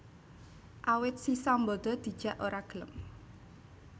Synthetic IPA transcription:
ʔawɪt̪̚sisambɔd̪̥ɔ̤d̪̥i̤̥ʒ̥ä̤ʔoɾaɡ̥ələm

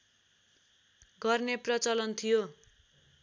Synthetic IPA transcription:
ɡʌrneprʌt͡sʌlʌnt̪ʰijo

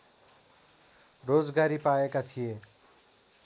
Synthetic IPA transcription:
rod͡zɡaɾipaekat̪ʰije

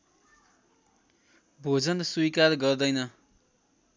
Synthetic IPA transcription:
bʱod͡zʌnswuikarɡʌrd̪ʌjnʌ

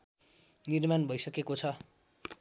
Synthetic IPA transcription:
nirmanbʱʌjsʌkekot͡sʰʌ

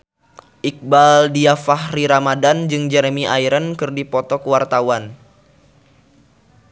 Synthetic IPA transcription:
ʔik̚baldiafahɾiɾamadand͡ʒɨŋd͡ʒɛɾmiʔaiɾənkɨrdipɔt̪ɔkəwart̪awan

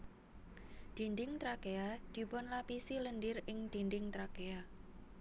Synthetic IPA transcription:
d̪̥i̤ndɪŋt̪ɾakead̪̥i̤pɔnlapisilənɖɪrɪŋd̪̥i̤ndɪŋt̪ɾakea

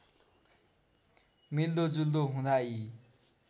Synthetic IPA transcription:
mild̪od͡zuld̪oɦũd̪ai

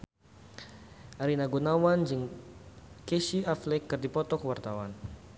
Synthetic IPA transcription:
ʔaɾinaɡunawand͡ʒiŋ | kɛʃiaflɛkːɨrdipɔt̪ɔkəwart̪awan

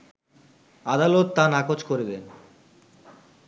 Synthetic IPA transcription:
ad̪alot̪ːanakot͡ɕkoɾed̪en

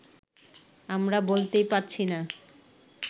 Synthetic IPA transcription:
amɾabolt̪ejpatːɕʰina

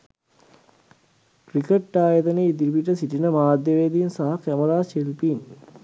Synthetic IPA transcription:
krikeʈːaːjət̪əneid̪iʋiʈ̬əsiʈinəmaːd̪jəʋeːd̪insaɦakæmɐɾaːʃelpin

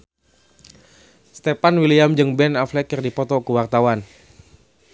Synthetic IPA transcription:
st̪epanwiliamd͡ʒɨŋbɛnaflɛkɨrdipɔt̪ɔkuwart̪awan

